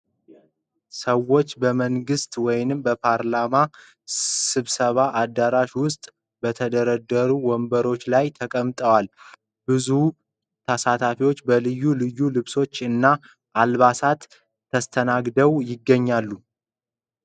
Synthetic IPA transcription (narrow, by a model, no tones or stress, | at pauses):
səwo̞t͡ʃːbəməŋɡɨst̪wɔjnɨmbəpʰaɾlama | sɨβsəβaʔad̪ːaɾaʃwʊst̪ʼ | bət̪ʰəd̪əɾəd̪əɾuwɔmbəɾo̞t͡ʃːlajt̪ʰəkʼəmt̪ʼəwal | bɨzu | t̪ʰəsat̪ʰafiwo̞t͡ʃːbəlɨjːulɨjːulɨβso̞t͡ʃːɨnːa | ʔalβasat̪ʰː | əst̪ʰənaɡd̪əwjɪɡːəɲːalːu